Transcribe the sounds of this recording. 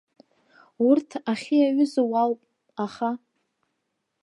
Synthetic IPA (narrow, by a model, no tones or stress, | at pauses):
urtʰaχʲijaɥʏzawalwpʼ | aχa